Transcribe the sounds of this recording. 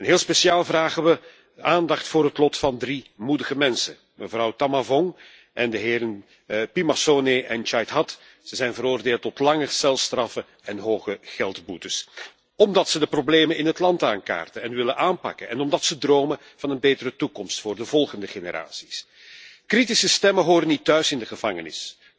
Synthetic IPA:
ɛnɦeːlˠspeʃiaːlˠvraːɣəʋə | aːndɑxtfʊːrɦətlɔtfɑndrimudəɣəmɛnsən | məvɾɑwtɑmavɔŋ | ʔɛndəɦɪːɾən | pimasoːneʔɛnt͡ʃɑjtɦɑt | z̥əzɛjnvəɾoːrdeːlˠtɔtlɑŋəsɛlˠstrɑfə | ɛnɦoːχəɣɛlˠtbutəs | ɔmdɑtsədəprobleːmənɪnɦətlɑntaːŋka̰ːrtəɛnʋɪlənʔaːnpɑ̰kənɛnɔmdɑtsədroːmə | v̥ɑnənbeːtəɾətukɔmstfʊːrdəvɔlˠɣəndəxenəɾa̰ːsi̥s | kritisəstɛməɦoːɾənːitœɥsɪndəɣəv̥ɑŋənɪ̰s

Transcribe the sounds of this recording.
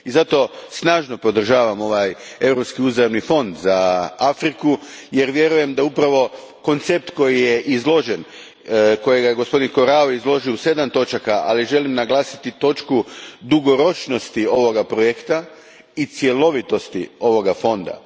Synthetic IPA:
izat̪o̞snaːʒno̞po̞d̪r̩ʒaːʋamo̞ʋaje̞wɾo̞pskiuzɾaʋnifo̞nd̪zaafɾikuje̞ɾʋje̞ɾuje̞md̪aupɾaʋo̞ | ko̞nt̪sep̚t̪ko̞jije̞ʔizlˠo̞ʒen | ko̞jeɡajeɡospo̞d̪inko̞ɾaoizlˠo̞ʒiuse̞d̪amt̪o̞t͡ʃakaʔaliʒe̞limnaɡlˠaːsi̥t̪it̪o̞t͡ʃkud̪uɡo̞ɾo̞t͡ʃno̞st̪io̞ʋo̞ɡapɾojekt̪a | it̪sje̞lˠo̞ʋit̪o̞st̪io̞ʋo̞ɡafo̞nd̪a̰

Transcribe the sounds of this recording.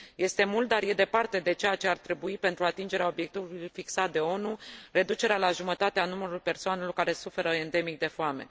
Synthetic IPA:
je̞st̪e̞mult̪̚d̪arje̞d̪e̞part̪e̞d̪e̞t͡ʃejat͡ʃe̞art̪ɾe̞buipe̞nt̪ɾuat̪ind͡ʒe̞ɾeao̞bje̞k̚t̪ivulujfiksat̪̚d̪e̞o̞nure̞d̪ut͡ʃe̞ɾealaʒumət̪at̪eanuməɾulpe̞rsoane̞lo̞rkaɾe̞sufe̞ɾəend̪e̞mik̚d̪e̞foame̞̰

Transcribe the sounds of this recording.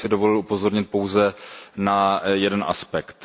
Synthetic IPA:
sɪdo̞volɪlupo̞zo̞ɾɲɪt̪̚po̞wzɛnajɛdɛnʔa̰spɛkt̪

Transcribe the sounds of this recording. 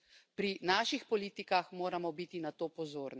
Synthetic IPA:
pɾinaːʃixpɔliːt̪ikaxmoːɾamɔbiːt̪inat̪oːpɔzoːɾni

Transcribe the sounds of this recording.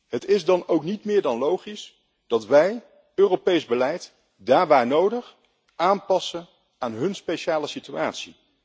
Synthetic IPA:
ɦətɪzdɑnowknitmɪːɹdɑnlowχis | d̥ɑtʋɛj | øːrowpejzbəlɛjt | daːɹʋaːɹnowdəχ | aːnpɑsən | aːnɦɵnspejʃaːləsityaːtsḭ

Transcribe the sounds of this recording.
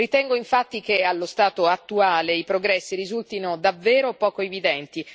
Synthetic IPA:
it̪ɛŋɡoiɱfat̪ːikealːost̪aːt̪oat̪ːuaːleipɾoɡɾɛsːiɾizult̪inod̪avːeːɾopɔːkoevid̪ɛnt̪i

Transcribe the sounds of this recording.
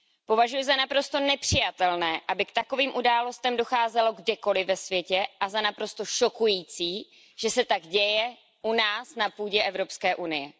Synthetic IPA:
po̞vaʒujʊzanapɾo̞st̪o̞nɛpr̝̥ɪjat̪ɛlnɛːʔabɪkt̪ako̞viːmʔudaːlo̞st̪ɛmdo̞xaːzɛlo̞ɡdɛko̞lɪvɛsvjɛcɛʔazanapɾo̞st̪o̞ʃo̞kujiːt͡siː | ʒ̥ɛsɛt̪aɡɟɛjɛ | ʔunaːsnapuːɟɛʔɛvɾo̞pskɛːʔunɪjɛ

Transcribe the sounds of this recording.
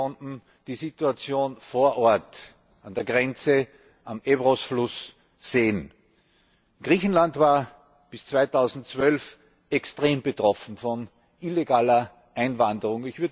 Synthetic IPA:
ɔntn̩ | d̥iːzituat͡sjoːnfoːɐʔɔɐt | andeːɐɡʁɛnt͡sə | ʔamebʁosflʊs | z̥eːən | ɡ̥ʁiːçn̩lantvaːɐ | b̥ɪst͡sv̥aɪtʰaʊzn̩tt͡svœlf | ɛkstʁeːmbətʁ̥ɔfn̩fɔn | ʔileɡaːlɐ | ʔaɪnvandəʁʊŋɪçv̥ʏɐ

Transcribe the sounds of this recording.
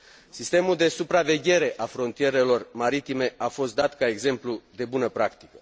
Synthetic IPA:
sist̪e̞muld̪e̞supɾave̞ɡʲe̞ɾe̞ʔafɾo̞nt̪ie̞ɾe̞lo̞rmaɾit̪ime̞afo̞st̪̚d̪at̪kae̞ɡze̞mplud̪e̞bunəpɾakt̪i̥kə̥

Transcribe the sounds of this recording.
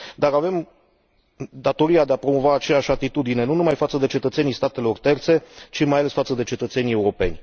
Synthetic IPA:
d̪aɾave̞m | d̪at̪o̞ɾiad̪eapɾo̞mo̞vaːt͡ʃe̞jaʃʲat̪it̪ud̪ine̞nunumajfat̪səd̪e̞t͡ʃe̞t̪ət̪se̞nijst̪at̪e̞lo̞rt̪e̞rt̪se̞t͡ʃimajale̞sfat̪səd̪e̞t͡ʃe̞t̪ət̪se̞nije̞uɾo̞pe̞nʲ

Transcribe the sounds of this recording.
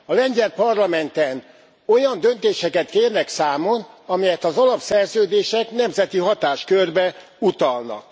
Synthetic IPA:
ɒlɛɲzɛrpɒrlɒmɛnt̪ɛn | o̞jɒnd̪ø̞nt̪eːʃɛkɛt̪keːrnɛksaːmo̞nɒmɛjɛt̪ɒzɒlɒpsɛrzøːd̪eːʃɛknɛmzɛt̪iɦɒt̪aːʃkørbɛ | ut̪ɒlnɒ̰k

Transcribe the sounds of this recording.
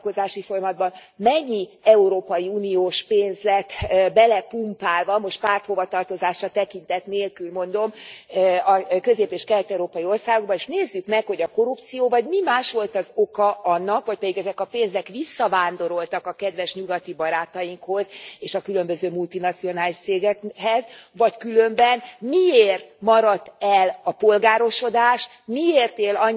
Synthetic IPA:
ko̞zaːʃifo̞jɒmɒd̪bɒn | mɛɲːi | ɛuɾoːpɒjiuːnioːʃpeːnzlɛt̪bɛlɛpumpaːlvɒmo̞ʃt̪̚paːrt̪ho̞vɒt̪ɒrt̪o̞zaːʃɒt̪ɛkint̪ɛt̪neːlkylmo̞nd̪o̞m | ɒkø̞zeːpeːʃkɛlɛt̪ɛuɾoːpɒjio̞rsaːɡo̞ɡ̚bɒeːʃneːzːykmɛkho̞ɟɒko̞ɾupt̪sijoːvɒɟmimaːʃʋo̞lt̪ɒzokɒʔɒnːɒkho̞c̚pɛd̪iɡɛzɛkɒpeːnzɛkʋisːɒvaːnd̪o̞ɾo̞lt̪ɒkɒkɛd̪ʋɛʃɲuɡɒt̪ibɒɾaːt̪ɒjiŋkho̞zeːʃɒkylømbøzøːmult̪inɒt̪sijo̞naːliʃseːɡɛɦɛzvɒckylø̞mbɛnmieːrt̪mɒɾɒt̪ːɛlɒpo̞lɡaːɾo̞ʃo̞d̪aːʃmieːrt̪eːlɒɲ

